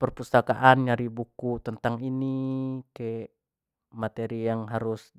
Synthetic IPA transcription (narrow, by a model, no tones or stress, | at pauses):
pərpust̪akaʔanɲaɾibukut̪ənt̪aŋinikeʔ | mat̪eɾijaŋɦaɾʊs